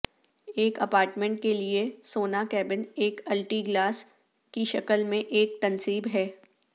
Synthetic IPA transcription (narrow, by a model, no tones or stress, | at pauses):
eːkɐpaːɾʈmẽɳʈ̚keliesoːnakɛːbɪneːkɐlʈiɡlaːs | kiʃɐkəlmẽʔeːk̚t̪ɐnsiːbɦɛː